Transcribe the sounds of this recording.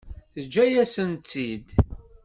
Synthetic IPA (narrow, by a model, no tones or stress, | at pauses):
θəd͡ʒːæjæsənt͡s̪ːid̪